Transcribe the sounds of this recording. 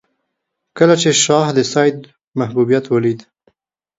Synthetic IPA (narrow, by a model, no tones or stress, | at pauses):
kəlat͡ʃeʃɑhd̪əsɑjd̪̚ | mahbubijat̪wəlid̪